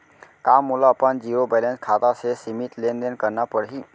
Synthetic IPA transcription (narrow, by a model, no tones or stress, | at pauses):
kamːulaəpənd͡ʒiɾobɛlẽnskʰat̪asesimit̪lend̪enkəɾnapəɽɦi